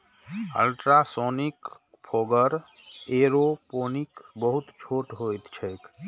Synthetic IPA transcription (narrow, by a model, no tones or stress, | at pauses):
ə̰lʈɾasonik | pʰoɡəɾ | eɾoponikbəɦut̪t͡ʃʰoʈɦojt̪t͡ʃʰək